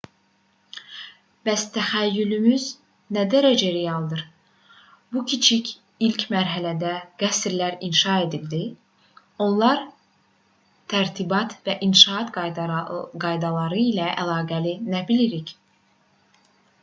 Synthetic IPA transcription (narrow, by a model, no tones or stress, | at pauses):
b̥æst̪ʰæxæjːylymyz | næd̪æɾæd͡ʒæɾejɑlˠd̪ɯɾ | bucʰit͡ʃʰicʰ | ilcmæɾɦælæd̪æɡ̥æsɾlæɾinʃɑe̞d̪ild̪i | o̞nlˠɑɾ | t̪ʰæɾt̪ʰibɑt̪væʔinʃɑɑt̪ | ɡɑjd̪ɑlˠɑɾɯilæʔælˠɑːɡælinæbiliɾic